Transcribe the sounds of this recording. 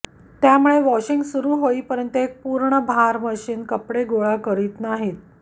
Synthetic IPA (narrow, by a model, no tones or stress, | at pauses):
t̪jamuɭeʋɔɕiŋɡsuɾuːɦoiːpəɾənt̪əek̚puːɾɳəbʱaɾməɕiːnkəpɽeɡoɭakəɾiːt̪naɦit̪̚